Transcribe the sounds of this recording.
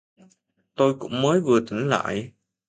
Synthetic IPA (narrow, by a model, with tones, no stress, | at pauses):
t̪o˧jkʊ̰˧˥ŋ͡mməː˨˦jvɨ˨˩ət̪ï˧˦ŋ̟la̰ː˧˨j